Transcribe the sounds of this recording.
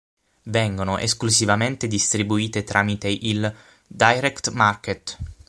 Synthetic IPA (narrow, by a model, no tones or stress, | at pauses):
vɛŋɡonoʔḛsklusivament̪ed̪ist̪ɾibuiːt̪et̪ɾʔaːmit̪eʔil | d̪ajɾɛkt̪market̪